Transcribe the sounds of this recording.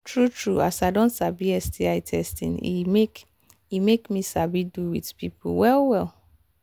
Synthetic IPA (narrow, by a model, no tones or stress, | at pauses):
tʰɹutʰɹuasaɪdõntsabiɛsdiaɪtʰɛstḭ̃nḭmek | imekmisabiduwḭdpipṵwɛlwɛl